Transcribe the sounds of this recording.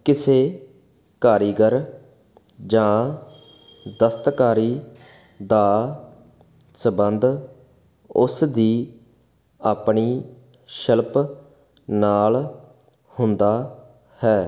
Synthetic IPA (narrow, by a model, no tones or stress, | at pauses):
kɪseː | kaːɾiːɡəɾ | d͡ʒãː | d̪əst̪kaːɾiː | d̪aː | səbənd̪ | ʊsd̪iː | aːpɳiː | ʃəlp | naːl | hʊnd̪aː | hɛː